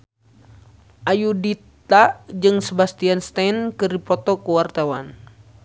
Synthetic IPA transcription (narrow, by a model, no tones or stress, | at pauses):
ʔajudit̪ad͡ʒɨŋsəbast̪ianst̪ankɨrdipɔt̪ɔkəwart̪awan